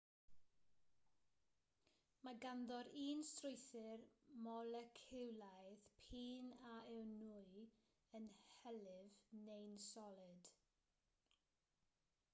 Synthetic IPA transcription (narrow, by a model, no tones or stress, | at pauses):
maɡanðɔɾiːnstrʊjθɪrmɔləkʰɪwlˠajðpʰiːnaɛwnuːɨ | ənhɛlɪvnejnsɔlˠɪd̥